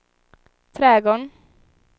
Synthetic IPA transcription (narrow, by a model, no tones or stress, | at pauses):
t̪ʰɾɛːɡɔɳ